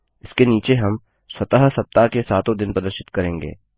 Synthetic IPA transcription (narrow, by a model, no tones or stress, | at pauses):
ɪskeniːt͡ʃeɦɐm | swɐt̪əɦsɐp̚t̪akesaːt̪õd̪ɪnpɾɐd̪əɾʃɪ̥t̪kɐɾẽːŋɡḛː